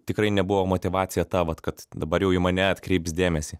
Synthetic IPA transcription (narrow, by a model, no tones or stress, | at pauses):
t̪ʲɪkrɐɪnʲɛbʊʋoːmoːt̪ʲɪʋɑːt͡ssʲɪjɛt̪ɑʋɐt̪kɐt̪d̪ɐbɐɾjɛʊɪmɐnʲɛɐt̪ʲkɾʲɛɪpsd̪ʲeːmʲɛsʲiː